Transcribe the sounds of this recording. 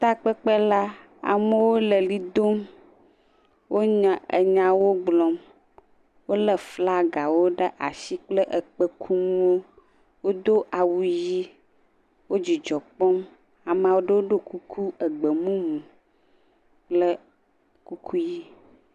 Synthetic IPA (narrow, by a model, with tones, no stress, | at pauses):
t̪a˦k͡pə˦k͡pə˦la˦ | a̰˨mə˦wo˦lə˨li˦d̪o˦m | wʔo˦ɲã˨ʔə̰˨ɲã˨wo˦ɡ͡blɔ˦m | wo˦lə˨fla˦ɡa˨wo˦ɖə˦ʔa˨si˦k͡plə˦ʔə˨k͡pə˦kʰu˦mũ˦wo˦ | wo˦d̪o˦ʔa˨wu˨ji˦ | wo˦d͡ʑi˨d͡ʒɔ˨k͡pɔ˦m | a˨m˦ã˨wo˦ɖə˦wo˦ɖo˦ku˦kʰu˦ə˨ɡ͡bə˨mũ˦mũ˨ | k͡plə˦ | ku˦kʰu˦ji˦